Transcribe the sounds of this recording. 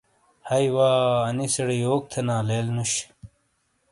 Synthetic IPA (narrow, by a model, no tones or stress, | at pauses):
hɐjwaːɐnisɐɽioːk̚t̪ʰenãːleːlnuɕ